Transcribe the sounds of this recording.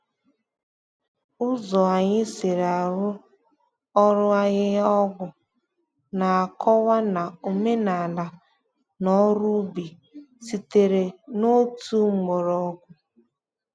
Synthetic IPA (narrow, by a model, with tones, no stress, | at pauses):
ʊ˦zɔ˨a˨ɲɪ˦se˨ɾa˨ɾʊ˦ | ɔ˦ɾʊ˦a˦ɲɪ˦ɔ˦ɡʷʊ˨ | na˨a˨kʰɔ˦wa˦na˨u˨me˦na˨la˨ | nɔ˦ɾu˦bi˨ | si˨te˨ɾe˨no˦tu˦ŋ͡m̩˦˨ɡ͡bo˨ɾɔ˦ɡʷʊ˨